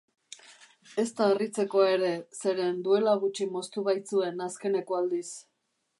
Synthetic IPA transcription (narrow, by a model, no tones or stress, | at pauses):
e̞st̪aerit͡se̞ko̞e̞ɾe̞se̞ɾe̞nd̪ue̞laɣ̞ut͡ʃimo̞st̪uβ̞ajt͡sue̞naske̞ne̞ko̞ald̪is